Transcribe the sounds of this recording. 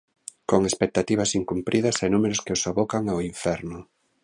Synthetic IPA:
koŋespek̚t̪at̪iβ̞asiŋkumpɾʔið̞ɐsajnumeɾʊskeosaβokaŋaoiɱfɛɾnʊ

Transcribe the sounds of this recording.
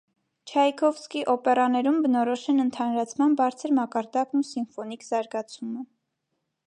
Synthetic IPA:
t͡ʃʰɑjkʰɔvskiʔɔpɛɾɑnɛɾumbənɔɾɔʃɛnənt̪ʰɑnɾɑt͡sʰmɑnbɑɾt͡sʰəɾmɑkɑɾd̪ɑknusinfɔnikz̥ɑɾɡɑt͡sʰumə

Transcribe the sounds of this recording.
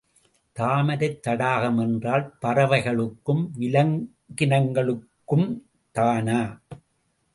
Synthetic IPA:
t̪aːmɐɾɐɪt̪ːɐɽaːɣɐmɛndraːlpɐrɐʋɐɪɣɐɭɯkːɯmʋɪlɐŋ | ɡɪnɐŋɡɐɭɯkːɯm | t̪aːnaː

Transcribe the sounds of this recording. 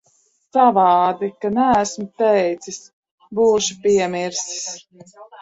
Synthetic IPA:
savɑːd̪ikanæːsmʊt̪ɛjt̪sis | buːʃupiɛmiɾsi̥s

